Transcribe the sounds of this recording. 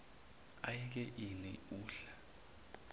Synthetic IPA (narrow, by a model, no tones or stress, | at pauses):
ajik̬ɛʔinḭuːɬḁ